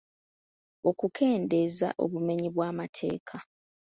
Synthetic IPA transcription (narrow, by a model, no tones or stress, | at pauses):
o̞kukʰe̞ːnde̞za̰ʔo̞̰βume̞ɲiβwaːmatʰe̞̰ːkʰa